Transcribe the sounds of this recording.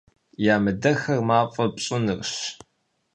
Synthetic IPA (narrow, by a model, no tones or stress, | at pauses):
jaːmɨdɐxɐrmaːfʼɐpɕʼʊnɨrɕ